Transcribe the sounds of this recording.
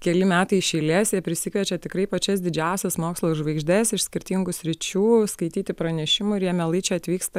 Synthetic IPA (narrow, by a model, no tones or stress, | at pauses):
kʲɛlʲɪmʲæːt̪ɐɪʃʲɛːlʲeːsjɛpʲɾʲɪsʲɪkʋʲɛt͡ʃʲɛt̪ʲɪkɾɐɪpɐt͡ʃʲɛsd̪ʲɪd͡ʒʲæˑʊsʲɛsmoːkslˠoːʒʋɐɪɡʒʲd̪ʲɛsɪʃsʲkʲɪɾʲt̪ʲiŋɡʊsʲɾʲɪt͡ʃʲuːskɐɪt̪ʲiːt̪ʲɪpɾɐnʲɛʃʲɪmʊɪɾjiɛmʲɛlˠɐɪt͡ʃʲɛɐt̪ʲʋʲiːkst̪ɐ